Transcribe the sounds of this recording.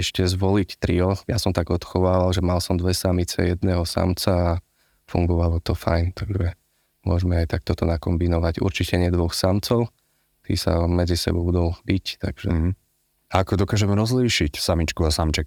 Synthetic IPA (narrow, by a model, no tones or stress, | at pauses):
ɛʃcɛzʋɔlict̪ɾiɔjasɔmt̪aɡɔt̪xɔʋaːʋalʒɛmalsɔmd̪ʋɛsamit͡sɛ̰jɛd̪nɛɦɔsa̰mt͡saa | fṵŋɡɔʋalɔt̪ɔfa̰jnt̪aɡʒɛ | mʊɔʒmɛajt̪ak̚t̪ɔt̪ɔnakɔmbinɔʋaɟṵɾt͡ʃicɛɲɪɛd̪ʋɔxsamt͡sɔʊ | t̪ḭsa̰mɛd͡zisɛ̰bɔbud̪ɔlbict̪a̰ɡ̥ʒɛ̰ | aakɔd̪ɔkaːʒɛmɛɾɔzliːʃicsamit͡ʃkuasamt͡ʃɛk